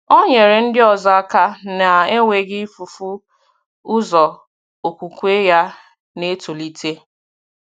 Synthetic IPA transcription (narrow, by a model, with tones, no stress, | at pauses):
o˦ɲe˨ɾɪ˨n̩˦dɪ˦ɔ˨za˦ka˦na˨e˦ŋʷe˨ɡɪ˦fu˨fu˦ | ʊ˦zɔ˨ | o˨kʷu˨kʷe˦ja˦ | ne˦to˨li˦tʰe˦